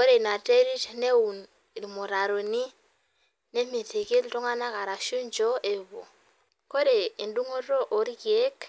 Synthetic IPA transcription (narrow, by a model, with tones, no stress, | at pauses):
kɔ˦ɾe˨na˨te˦ɾi˦tne˦u˨n˨ | ɾi˨mo˨ɾa˨ɾo˨ni˦ | ne˦mi˨te˨ki˦ltɔ˦ŋa˦na˦ka˨ɾa˨ʃu˦nd͡ʒɔ˦ʔɛ˨βo̰˨ | ko˦ɾe˨i˨ndu˦ŋo˦ɾo˦ʔo˨ɾi˦kje˦k